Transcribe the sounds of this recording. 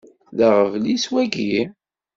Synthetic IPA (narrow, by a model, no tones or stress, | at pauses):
ðəʁəvliswæɡi